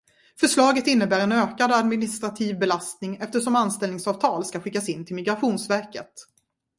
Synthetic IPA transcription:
fœʂɭɑːɡət̪ɪnːəbæːɾɛnøːkad̪ad̪mɪnɪst̪ɾat̪ʰiːvbɛlast̪nɪŋɛft̪əʂɔmanst̪ɛlnɪŋsɑːv̥t̪ʰɑːlskaɧɪkːasɪnːt̪ʰɪlmɪɡɾaɧuːnsvæɾkə̰t̪

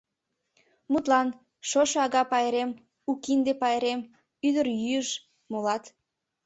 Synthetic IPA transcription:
mut̪lɑn | ʃoʃɑɣɑpɑjeɾem | ukind̪epɑjeɾem | yd̪ərjyəʃ | molɑt̪

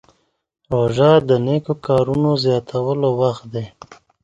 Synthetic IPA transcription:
ɾoʒɑd̪ənekokɑɾunozjɑt̪ʰawəlowaxt̪̚d̪e

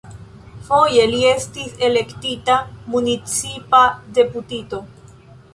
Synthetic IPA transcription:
fo̞je̞lie̞stise̞le̞ktitamunit͡sipade̞putito̞

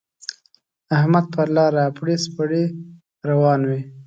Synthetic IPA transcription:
ahmad̪̚pəlɑɾapɽispəɽe | ɾawɑnwi

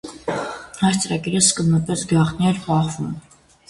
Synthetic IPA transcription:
hɑst͡səɾɑɡiɾəskənːəpɛsɡjɑχt̪niɛɾbɑχvum

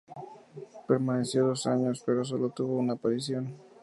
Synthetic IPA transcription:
pe̞ɾmane̞sjo̞ðo̞saɲo̞spe̞ɾo̞s̬o̞lo̞t̪uβo̞unaːpaɾisjo̞n

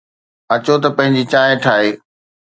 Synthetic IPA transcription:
ɐt͡ɕot̪ɐpɐ̃ɦɪ̃ɲd͡ʑit͡ɕaːẽʈʰaːɦeː

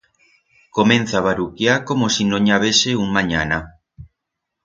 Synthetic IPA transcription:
komẽn̟θaβaɾukjaɾkomosinõɲaβeseuŋmãɲa̰na

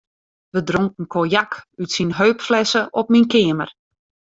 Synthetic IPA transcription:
ʋədroŋkn̩kʰojakytsinɦøɥpflɛsəʔɔp̚minkɪːəmər

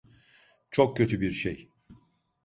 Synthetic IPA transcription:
t͡ʃʰok̚cʰːøt̪ʰybiɾʃej

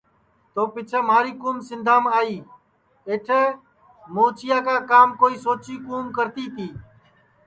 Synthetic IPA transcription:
t̪oːpɪt͡ʃʰeːmaːɾiːkuːmsɪnd̪ʱaːmaːiː | eːʈʰeː | moːt͡ʃɪjaːkaːkaːmkoːiːsoːt͡ʃiːkuːmkəɾt̪iːt̪ʰiː

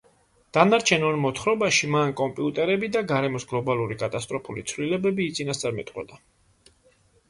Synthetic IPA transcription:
d̪̥anaɾt͡ʃʰɛnɔnmɔt̪ʰχɾɔbaʃimankʼɔmpʼiut̪ʼɛɾɛbid̪aɡaɾɛmɔsɡlˠɔbalˠuɾikʼat̪ʼast̪ʼɾɔpʰulḭt̪sʰvlilɛbɛbiːt̪sʼinast̪sʼaɾmɛ̰t̪ʼqʼwɛ̰d̪a

